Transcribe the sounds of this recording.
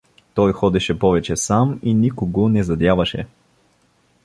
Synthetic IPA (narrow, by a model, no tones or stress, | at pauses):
t̪ɔjxɔd̪ɛʃɛpɔvɛt͡ʃɛsaminikoɡonɛzɐd̪ʲjavɐʃɛ